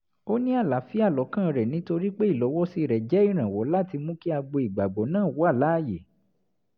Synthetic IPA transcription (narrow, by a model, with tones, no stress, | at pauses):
o˦nĩ˦a˦˨la˨˦fi˦a˦˨lɔ˨˦kã˦˨ɾɛ˨nĩ˨˦to˧ɾi˦k͡pe˦i˦˨lɔ˨˦wɔ˦si˧ɾɛ˨d͡ʒɛ˨˦i˦˨ɾ̃ã˨wɔ˨˦la˦˨ti˧mũ˦ki˦a˧ɡ͡bo˧i˨ɡ͡ba˨ɡ͡bɔ˨˦nãː˦˨wo˨˦a˦˨la˨˦˨je˨